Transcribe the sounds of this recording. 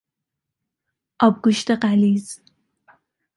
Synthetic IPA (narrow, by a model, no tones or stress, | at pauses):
ɑb̚ɡʷʊʃtʰɐqaːliːz